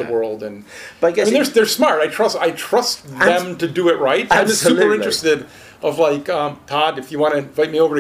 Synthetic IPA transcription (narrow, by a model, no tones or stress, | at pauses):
əwɜ˞lˠdɨ̃nb̥ʌmĩnðə˞ðə˞smɑɹtaɪtʰɹ̥ʌstaɪtʰɹ̥ʌstðɨ̃mtɨdɨɪʔ̚ɹaɪt̚ãɪ̃ʌsʉpə˞ɪ̃t͡ʃɹ̥ɨstɪɾ | ʔʌvlaɪkʌ̃mpʰɑdɨfjɨwɑ̃ñɨvaɪt̚mioʊvə˞ɨ